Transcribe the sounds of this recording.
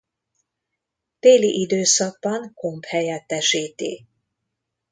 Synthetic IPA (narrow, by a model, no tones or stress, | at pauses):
t̪eːliʔid̪øːsɒɡ̚bɒŋkomphɛjɛt̪ːɛʃiːt̪ḭ